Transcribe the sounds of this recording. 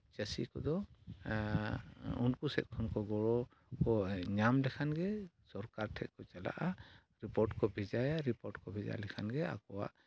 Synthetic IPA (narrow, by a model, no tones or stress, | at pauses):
t͡ʃəsḭkɔ̰d̪ɔ | unkusɛ̰t̪̚ˀkʰɔnkɔɡɔɽɔ | kɔɲamlɛkʰanɡɛsɔɾkaɾʈʰɛt̪̚kɔt͡ʃala̰ʔa | ɾipɔɾʈkɔbʱɛd͡ʒajaɾipɔɾʈkɔbʱɛd͡ʒa̰lɛkʰanɡɛa̰kɔwa̰ʔ